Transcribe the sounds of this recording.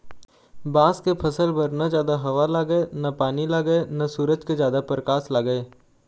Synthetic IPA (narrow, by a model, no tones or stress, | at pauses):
bãːskepʰɐsəlbɐɾnad͡ʒjaːd̪aɦɐʋalaɡəenɐpaːnilaɡəenɐsuːɾəd͡ʒked͡ʒjaːd̪apɾəkaːslaːɡəeː